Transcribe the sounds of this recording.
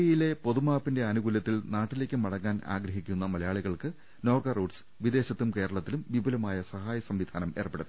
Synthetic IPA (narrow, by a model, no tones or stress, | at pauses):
jile̞po̞ðumaːpːinde̞ɐnuɣuljɐt̪ːilnaːʈːile̞ːkʲːumɐɽɐŋːaːna̰ːɡɾɐɦikʲːunːɐmɐlɐjaːɭiɣɐɭkɨ | no̞ːrɡɐruːɖs | ʋid̪e̞ːɕɐt̪ːumke̞ːɾɐɭɐt̪ːilumʋibʱɐlɐmaːjɐsɐɦaːjɐsɐmʋid̪ʱʰaːnɐme̞ːrpːeɽɐðɨ